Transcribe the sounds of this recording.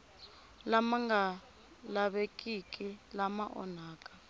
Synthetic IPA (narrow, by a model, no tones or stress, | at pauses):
lamaŋɡa | laɓekʼikʼilamaʔɔ̰naːkʼḁ